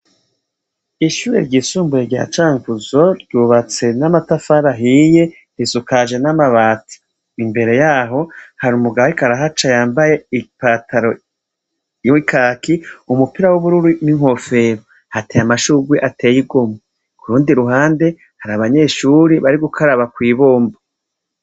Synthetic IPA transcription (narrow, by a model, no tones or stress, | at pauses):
iʃuːɾḛɾɟiːsuːmbuɾeɾɟa̰t͡ʃaːŋkuzo̞ɾɟuːβat͡se̞namatafaɾaɦije̞ | hisukaʒe̞namaβaːti̥ | imbe̞ɾe̞jaːɦo̞haɾumuɡawikaɾaɦat͡ʃajaːmbaje̞ipataɾo | wikʰaːkiumupiɾawuβuɾuɾimiŋho̞fe̞ɾo | hatejamaʃuɡwiʔate̞ːjiɡo̞mo | kuɾuːndiɾuɦaːnde̞ | haɾaβaɲe̞ːʃuːɾiβaɾiɡukʰaɾaβakwiːβoːmba